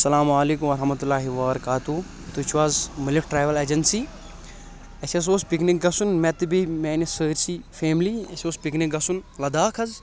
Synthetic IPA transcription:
sɐlaːmaːleːkumɐɾɐɦmɐt̪ulːaːɦiʋɐbɐɾɐkaːt̪u | t̪ut͡ʃʰuʋaːzmiliʈʈɾaːʋɐleːd͡ʒɐnsi | ɐsʲɐs̬oːspiknik̚ɡɐsunmɛt̪ɨbimeːnisəːɾsifeːmliɐsʲoːspiknik̚ɡɐsunlɐd̪aːkʰɐz

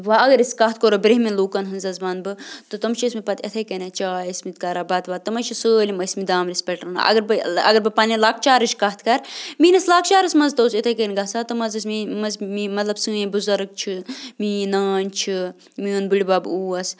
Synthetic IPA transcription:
ʋaɐɡɐɾiskɐɦt̪ʰkoɾobɾeɦminluːkɐnɦɨnzɐzbaːnbɨt̪ɨt̪ɐmʃʰismipɐt̪ʰɐt̪ʰɐkɐnʲɐt͡ʃaːismit̪kɐɾaːbɐt̪ʋaːt̪ɨmɐʃʰisəːlʲimɐsmid̪aːmɾispʲeʈɾɨna̰ʔɐ̰ɡɐɾbɨɐɡɐɾbɨpɐnʲilaːk̚ʰt͡ʃaːɾɨʃkɐɦt̪ʰkɐɾminɐslaːk̚ʰt͡ʃaːɾɐsmɐzt̪ɐːset̪ʰekɐnʲɡɐsaːt̪ɨmɐzɐsmimɐzmimɐt̪lɐbsɨːẽbuzɐɾɨk̚t͡ʃʰiminaːnʲt͡ʃʰi | miɐnbɨɽʲibaːbuːɐs

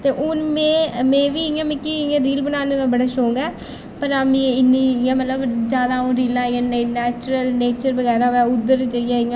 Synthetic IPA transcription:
t̪eːʔʊnmẽːmɛ̃ːʋiːɪjãːmẽːkiɪjãːɾiːlbənaːneːt̪ãːbəɽaːʃoːŋɡɛː | pəɾameɪnːĩːɪjãːmət̪ləbd͡ʒjaːd̪aːõːɾiːlãːijãːnenɛːt͡ʃɾəlneːt͡ʃəɾbəɡɛːɾaːʋɛːʊd̪ːəɾd͡ʒəɪãːɪãː

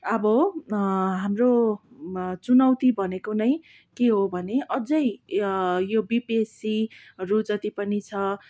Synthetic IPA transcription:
ʌbʌ | ɦamro | t͡sunʌwt̪ibʱʌnekonʌj | keɦobʱʌneʔʌd͡zʌj | jobibesi | rud͡zʌt̪ipʌnit͡sʰʌ

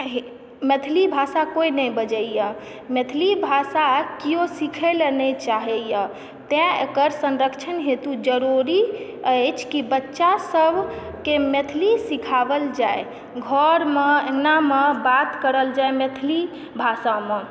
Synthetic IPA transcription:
ɦ | met̪ʰlibʱasakoinɛjbəd͡ʒəijə | met̪ʰlibʱasakijosikʰelenet͡ʃaɦɛjə | t̪ɛ̃ekəɾsə̃nɾəkt͡ʃʰənɦet̪ud͡ʒəɾuɾi | ət͡ʃʰkibətːʃasəbʱ | kemet̪ʰlisikʰabəld͡ʒae | ɡʱɔɾmeenamebat̪kəɾəld͡ʒaemet̪ʰli | bʱasame

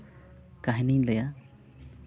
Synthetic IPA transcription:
kaɦɛniɲlɛja

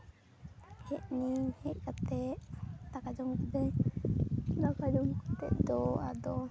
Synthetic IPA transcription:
hɛʔnihɛʔ̚kat̪ɛʔt̪akad͡ʒɔmkid̪əj | d̪akad͡ʒɔmkat̪ɛ̰ʔd̪ɔad̪ɔ

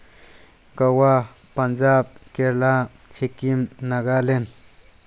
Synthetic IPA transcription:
kawa | pɐnd͡ʒab̚keɾla | t͡ʃʰekimnaɡalen

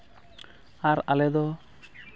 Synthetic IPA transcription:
aɾa̰lɛd̪ɔ

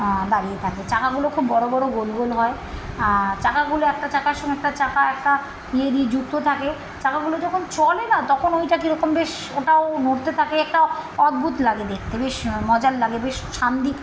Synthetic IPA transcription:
d̪aɾiet̪ʰaket͡ɕakaɡulokʰubːɔɽobɔɽoɡolɡolɦɔe | t͡ɕakaɡuloɛk̚ʈat͡ɕakaɾʃɔŋɡeɛk̚ʈat͡ɕakaɛk̚ʈa | ied̪ied͡ʑuk̚t̪ot̪ʰake | t͡ɕakaɡulod͡ʑɔkʰont͡ɕɔlenat̪ɔkʰonojʈakiɾɔkombeʃ | oʈaonoɾt̪et̪ʰakeɛk̚ʈaɔd̪̚bʱut̪laɡed̪ek̚ʰt̪ebeʃmɔd͡ʑalːaɡebeʃʃand̪i

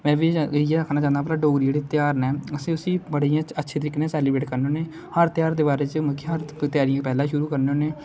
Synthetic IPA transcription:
mɛ̃ːʋijeəkʰnaːt͡ʃãːnd̪aːplaːɖoːɡɾid͡ʒeːɽeːt̪jaːɾnɛːəsĩːʊsiːbəɽiːãːt͡ʃətːʃʰeːt̪əɾɪːknẽːsɛːlɪbɾeːʈkəɾnoːneː | həɾt̪ɪjaːɾd̪eːbaːɾeːt͡ʃəməkʰiɦəɾt̪ɪjaːɾijãpɛːlãːʃʊɾuːkəɾneoːneː

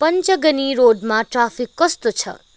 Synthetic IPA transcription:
pəɲt͡ʃəɡəniɾoɖmãʈɾafikːəst̪ot͡ʃʰə̰

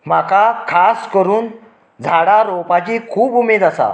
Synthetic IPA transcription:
makakʰaskəɾuːn | d͡zʱaɽaɾɔpat͡ɕiːkʰuːbumed̪asa̰

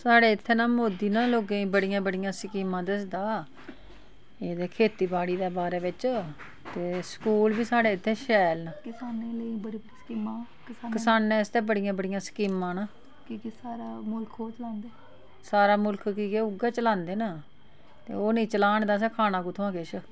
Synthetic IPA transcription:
saːɽeːɪt̪ʰːeːnaːmoːd̪iːnãːloːɡẽːĩːbəɽɪjãːbəɽɪjãːsəkiːmãːd̪ɪsd̪aː | eːd̪eːkʰeːt̪iːbaːɽiːd̪eːbaːɾeːʋɪt͡ʃ | t̪eːskuːlbiːsaːɽeːɪt̪ʰːeːʃɛːlnakɪsaːneːləibəɽiːbəskiːmãː | kəsakəsaːnːẽːɪst̪eːbəɽɪjãːbəɽɪjãːskiːmãːnaː | kiːkesaːɾaːmʊlkʰoːt͡ʃəlãːnd̪eː | saːɾaːmʊlkʰkiːkeːʊɡaːt͡ʃəlãːnd̪eːnaː | t̪ḛːoːneĩːt͡ʃəlaːɳd̪aːs̬ɛ̃ːkʰaːnaːkũːt̪ʰʊãːkeʃʰə

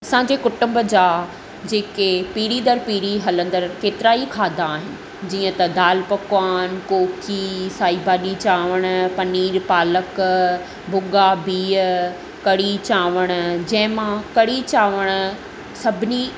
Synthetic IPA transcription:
ɐsãːɲd͡ʑekʊʈʊ̃mbd͡ʑaː | d͡ʑeːkepiːɾid̪əɾpiːɽiɦɐlə̃nd̪əɾkeːt̪ɪɾaːikʰaːd̪aːɦɪnɪ̆ | d͡ʑiːə̃t̪ɐd̪aːlpɐkwaːnkoːkʰisaːibaːɗit͡ɕaːʋəɽ̃̆pɐniːɾpaːlək | bʱʊɠabiːə | kɐɽit͡ɕaːʋəɽ̃̆d͡ʑɐ̃ɦɪ̃mãkɐɽit͡ɕaːʋəɽ̃ʊ̆ | sɐbʱɪni

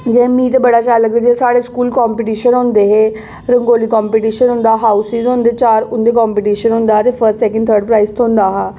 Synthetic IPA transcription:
d͡ʒemĩːt̪ebəɽaːt͡ʃaːləked͡ʒesaːɽeːskuːlkɔːmpiːʈiːʃənɦʊ̃nd̪eːɦeː | ɾəŋɡoːliːkɔːmpiːʈiːʃənɦʊ̃nd̪aːɦaːusɪzɦõːnd̪eːt͡ʃaːɾʊ̃nd̪eːk̬ɔːmpiːʈiːʃənɦʊ̃nd̪aːt̪eːpʰəsʈsɛːkəɳɖt̪ʰəːɾɖ̚pɾaːist̪ʰõʊ̃nd̪aːɦaː

